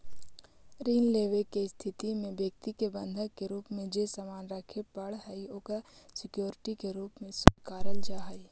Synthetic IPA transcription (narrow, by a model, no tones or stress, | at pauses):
ɾiːnleːʋekest̪ʰɪt̪imẽbjək̚t̪ikebə̃nd̪ʱəɡkːeɾuːpmẽd͡ʒeːsamaːnɾəkʰepəɽɦəioːkasɪkjoːɾɪʈikeɾuːpmẽsʊdkaːɾəld͡ʒaːɦəi